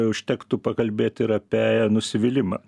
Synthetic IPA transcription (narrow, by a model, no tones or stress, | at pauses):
ʊʃʲt̪ʲɛkt̪ʊpɐkɐlʲbʲeːt̪ʲɪɾɐpʲɛnʊsʲɪʋʲɪlʲɪmɐ̰